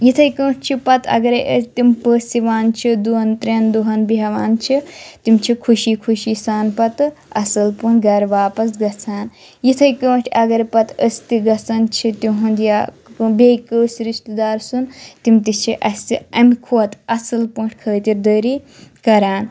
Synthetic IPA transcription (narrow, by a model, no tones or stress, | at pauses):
jit̪ʰɐjkə̃ːʈʰt͡ʃʰipɐt̪ʰɐ̰ɡɐɾɐjʔət̪impəːsiʋaːnt͡ʃʰid̪uɦɐnt̪ɾeːnd̪uɦɐnbiɦɐʋaːnt͡ʃʰit̪imt͡ʃʰikʰuʃiːkʰuʃisaːnpɐt̪ɨɐsɐlpuːnɡɐɾʋaːpɐsɡɐt͡sʰaːn | jit̪ʰɐjkə̃ːʈʰɐɡɐɾɐpɐt̪əsʲt̪iɡɐt͡sɐnt͡ʃʰit̪iɦund̪ijaː | beːkəːsɾiʃt̪ɨd̪aːɾsunt̪imt̪it͡ʃʰiʔɐst̪iɐmkʰoːt̪ɐsɐlpuːʈʰʲkʰəːt̪iɾd̪əːɾikɐɾaːn